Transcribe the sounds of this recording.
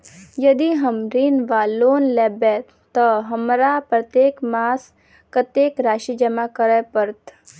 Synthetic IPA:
jəd̪iɦəmɾinʋaːloːnlɛːbe | t̪ːəɦəmɾapɾət̪jeːkmaːs | kət̪jeːkɾaːʃid͡ʒəmakəɾɛpəɾt̪

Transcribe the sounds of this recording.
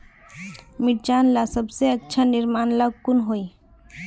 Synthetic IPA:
miʈ̚d͡ʒaːnlasəbseətːt͡ʃʰanɪɾmaːnlaɡkʊnɦoi

